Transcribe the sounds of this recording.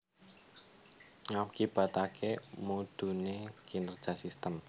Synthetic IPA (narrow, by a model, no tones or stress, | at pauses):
ŋamkib̥ä̤t̪akʰemud̪̥ṳnekinər̥ʒ̥a̤sist̪əm